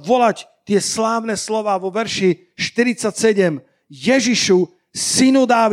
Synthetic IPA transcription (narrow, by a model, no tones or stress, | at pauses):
ʋɔlact̪ɪɛslaːʋnɛːslɔʋaːʋɔʋɛɾʃi | ʃt̪iɾit͡sːacsɛɟɛm | jɛʒiʃu | sinud̪aːʋ